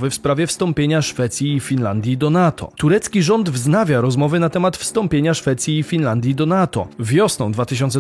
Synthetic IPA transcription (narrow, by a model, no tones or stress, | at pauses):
vɘfspɾavʲjɛfst̪ɔmpʲjeɲaʂfɛt̪sʲjiːfʲinland̪ʲjid̪ɔnat̪ʰɔ̰t̪uɾɛt̪skʲiʐɔnd̪vznavʲjaɾɔzmɔvɘnat̪ɛmat̪fst̪ɔmpʲjeɲaʂfɛt̪sʲjiːfʲinland̪ʲjid̪ɔnat̪ɔ̰vʲjɔsnɔ̰̃w̃d̪vat̪ɘɕ̬ɔnt̪sɛ